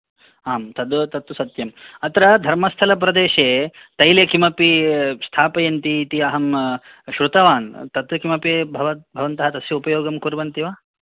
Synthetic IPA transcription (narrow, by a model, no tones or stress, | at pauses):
aːmt̪ɐd̪t̪ɐt̪ːusɐt̪jɐmɐt̪ɐɾɐd̪ʱɐɾmɐst̪ʰɐlɐp̬ɾɐd̪eːʃeː | t̪ɐjlekimɐpist̪ʰaːpɐjɐnt̪iːt̪iɐɦɐm | ʃɾut̪ɐʋaːnt̪ɐt̪ɐkimɐpebʱɐʋɐt̪bʱɐʋɐnt̪ɐɦɐt̪ɐsjɐupɐjoːɡɐmkuɾʋɐnt̪iʋaː